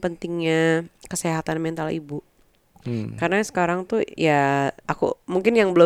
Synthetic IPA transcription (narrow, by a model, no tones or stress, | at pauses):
pənt̪ɪŋɲakəseɦat̪anmɛnt̪alḭbu | karnasə̥kaɾaŋt̪ujaakṵmuŋkɪnjaŋbəlo